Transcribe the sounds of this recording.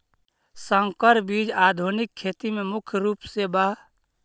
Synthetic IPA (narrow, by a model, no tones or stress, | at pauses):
səŋkəɾbid͡ʒad̪ʱunikʰːet̪imemʊkʰjɾuːpseba